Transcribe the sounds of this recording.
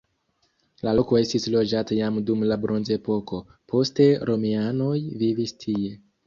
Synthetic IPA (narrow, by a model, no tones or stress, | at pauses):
laloko̞e̞stislo̞d͡ʒatajamdumlabɾʔo̞nze̞po̞ko̞ | pʰo̞ste̞ɾo̞miano̞jvivistʰie̞